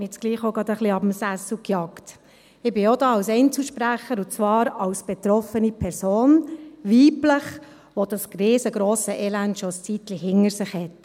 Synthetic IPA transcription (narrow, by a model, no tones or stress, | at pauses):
ɛt͡sɡ̥liːχɔɡɑd̪əχliɑbəm̩sæsl̩kjɑkt | ɪbɪɔdɑːɑwsɛɪnt͡səlʃpɾæχːəɾʊt͡sʋɑːɾɑwsb̥ɛt̪ɾɔfənipʰɛɾsoːnʋiːbləχ | ʋod̥ɑsrɪːsəɡɾoːsəʔɛlæntʃɔst͡sit̪liɦɪŋəɾsɪχhɛt